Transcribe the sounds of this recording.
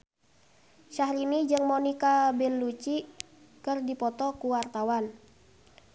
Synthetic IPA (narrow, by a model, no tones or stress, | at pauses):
ʃahɾinid͡ʒɨŋmonikabɛlːut͡ʃi | kɨrdipɔt̪ɔkuwart̪awan